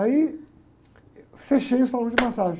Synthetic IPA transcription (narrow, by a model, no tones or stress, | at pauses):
ai | feʃejʊsalõzd͡ʒɪmasaʒẽ